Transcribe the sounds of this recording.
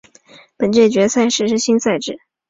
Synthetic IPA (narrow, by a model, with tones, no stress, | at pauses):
pə˨˩nt͡ɕɥɛ˥˩ɪt͡ɕɥɛ˧˥sʰa˥˩ɪʂɻ̩˧˥ʂɻ̩˥˩ɕi˥nsa˥˧ɪʈ͡ʂɻ̩˥˩